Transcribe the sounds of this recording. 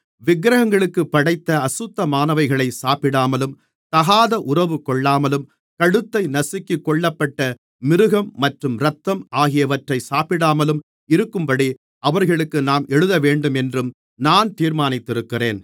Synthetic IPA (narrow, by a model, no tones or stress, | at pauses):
ʋɪɡɾɐɣɐŋɡɐɭɯkːɯpːɐɽɐɪt̪ːɐɐsʊt̪ːɐmaːnɐʋɐɪɣɐɭɐɪsaːpɪɽaːmɐlɯm | t̪ɐɣaːðɐʔʊrɐʋɯkɔɭːaːmɐlɯm | kɐɽɯt̪ːɐɪnɐsɪkːikːɔɭːɐpːɐʈːɐ | mɪɾɯɣɐmːɐʈrɯmɾɐt̪ːɐmʔaːɣɪjɐʋɐʈrɐɪsaːpɪɽaːmɐlɯm | ɪɾɯkːɯmbɐɽi | ɐʋɐɾɣɐɭɯkːɯnaːmʔɛɻɯðɐʋeːɳɖɯmɛndrɯm | naːnt̪iːɾmaːnɪt̪ːɪɾɯkːɪreːn